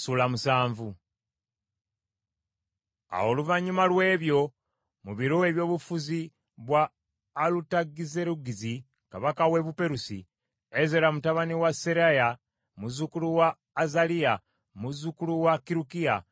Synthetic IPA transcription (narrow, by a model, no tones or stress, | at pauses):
sulamusaːɱvu | a̰woluvaɲumalwe̞ːβjo̞ | muβiɾoeβjo̞ːβufuzi | βwaː | lutaɡizeɾuɡizi | kaβakawe̞βupe̞ɾusḭ | ezelamutaβaniwaseɾaja | muzukuluwaː | zalia | muzukuluwakiɾukia